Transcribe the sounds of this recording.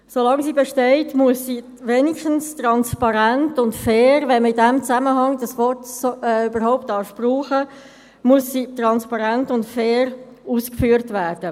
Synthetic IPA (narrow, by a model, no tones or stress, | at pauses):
solɑŋsiːbeʃtɛɪtmuəsːiː | ʋeːniʃtən̩stɾɑnspɑɾæntʊntfɛːɾʋɛnməidæmt͡sæməɦɑŋd̥ɑsvɔtsoɛybəɾɦɔʊp̚tɑːʃpruːχə | muəsːiːtrɑnspɑɾæntʊntfɛːɾ | uːskfyːəɾtvæːrd̥ə